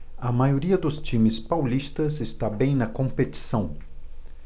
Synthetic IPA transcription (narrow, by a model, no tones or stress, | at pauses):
ɐmajoɾiɐd̪ʊst͡ʃĩmɪspawlist̪ɐzɪst̪abẽj̃nɐkõmpeti̥sɐ̃w̃